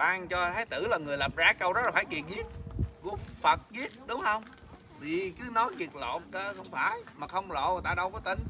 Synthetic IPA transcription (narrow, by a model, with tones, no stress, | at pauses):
ɓaː˧ŋt͡ɕɔ˧t̪ʰaː˨˦jt̪ɨ˧˩laː˨˩ŋɨ˨˩əjla˨˩p̚zaː˧˩kə˧wzɔ˦˥laː˨˩faː˧˩˦jki˨˩ənɣi˦˥ət̚ku˧˩əfə˨˩t̚ɣi˦˥t̚ɗʊ˨˦ŋ͡mhə˧wŋ͡m | vi˨˩kɨ˨˦nɔ˨˦jzi˨˩ək̚lo̰˧˨nkəː˧xə˧wŋ͡mfaː˧˩jmaː˨˩xə˧wŋ͡mlo̰˧˨˩t̪aː˧ɗə˧wkɔ˨˦t̪i˧˩ŋ